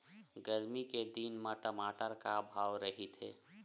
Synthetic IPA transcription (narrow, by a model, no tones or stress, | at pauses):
ɡəɾmiked̪inmãʈəmaʈəɾkabʱaːwɾəɦit̪ʰɦḛ